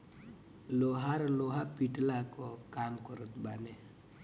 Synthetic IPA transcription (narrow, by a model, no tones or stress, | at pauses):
loɦaɾloɦapiʈlakɔkamkɔɾɔt̪bane